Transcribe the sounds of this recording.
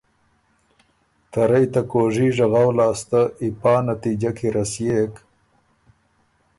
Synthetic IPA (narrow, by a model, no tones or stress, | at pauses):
t̪aɾajt̪akoːʐiʐaɣawlɑːst̪aipɑːnat̪id͡ʒakʰiɾasjeːk